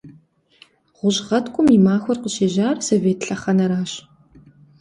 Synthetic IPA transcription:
ʁʷʊʑʁɐtʰkʷʼʊmimaːxʷɔrqəʃeːʒaːrsoveːtʰɬɐχɐnɐɾaːɕ

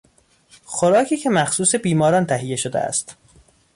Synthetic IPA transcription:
xoɾɒːcʰiːcʰe̞mæxsuːse̞biːmɒːɾɒːnt̪ʰæɦijːe̞ʃod̪ḛæ̰st̪

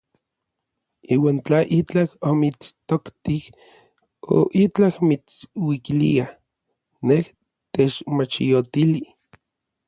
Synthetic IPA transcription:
iːwaːnt͡ɬaʔit͡ɬahomit͡st̪okt̪ik | o̰ʔit͡ɬahmit͡swikilḭa | neh | t̪et͡ʃmat͡ʃijot̪ili

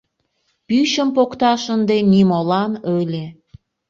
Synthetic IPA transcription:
pyɕəmpokt̪ɑʃənd̪enimolɑnølʲe

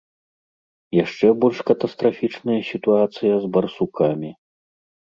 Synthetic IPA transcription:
jaʂt͡ʂɛbɔlʲʂkɐt̪ɐst̪ɾafʲit͡ʂnɐjɐsʲit̪uat̪sɨjɐzbɐrsukamʲi

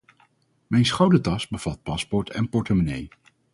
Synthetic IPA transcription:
mɛjnsχɑwdətɑsbəv̥ɑt̚pɑspɔɹtʰɛnpɔɹtəmonḛj

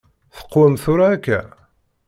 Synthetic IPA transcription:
θə̥qːwæmθʊɾaːkːæ̰

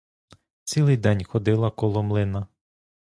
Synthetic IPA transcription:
t͡s̪ʲilˠɪjd̪ɛnʲxɔd̪ɪlˠɐkɔlˠɔmlˠɪnɐ

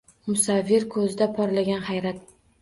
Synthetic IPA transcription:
mʊsavːɪɾkʰɵzɪd̪apʰɒɾlaɡʲanhajɾat̪̚

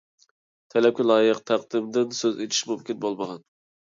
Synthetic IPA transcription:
t̪ʰɛlɛp̚kʲʰɛlˠɑːjəqt̪ʰæq̚d̪ɪmd̪ɪnsøzet̪ʰi̥ʃmumkʲinbolˠməʁɑn

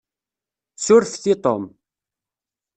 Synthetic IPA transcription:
sʊɾfθit̪ˤom

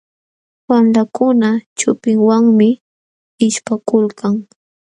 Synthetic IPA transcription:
wamlakʊnat͡ʃʊpɪŋwaŋmɪ | ɪʃpakʊlkaŋ

